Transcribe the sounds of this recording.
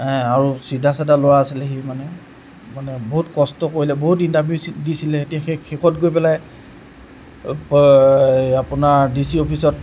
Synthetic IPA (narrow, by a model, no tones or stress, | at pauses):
ɛaɹusidʱasadalowaːsilɛximanɛ | manɛboɦutkɔstɔkoɹilɛboɦutintabjusdisilɛetijaxexekɔtɡojpɛlaj | p | apʊnaɹdisiopʰisɔt